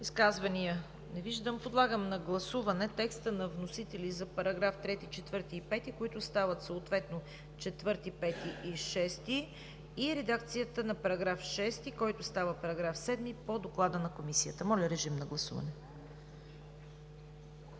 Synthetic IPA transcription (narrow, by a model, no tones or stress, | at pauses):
iskazvənijə | nɛviʒd̪əmpod̪lˠaɡəmnɐɡlˠɐsuvɐnɛt̪ɛkst̪ənɐvnosit̪ɛlʲizɐpɐɾɐɡɾaft̪ɾɛt̪it͡ʃɛt̪vɤɾt̪iːpɛt̪ikoit̪ʊst̪avət̪soot̪vɛt̪no | t͡ʃɛt̪vɤɾt̪ipɛt̪iːʃɛst̪i | iɾɛd̪ak̚t̪sijət̪ənɐpɐɾɐɡɾafʃɛst̪ikɔjt̪ʊst̪avəpɐɾɐɡɾafsɛd̪mipod̪oklˠad̪ənɐkomisiət̪əmɔlʲəɾɛʒimnɐɡlˠɐsṵvɐ̰nɛ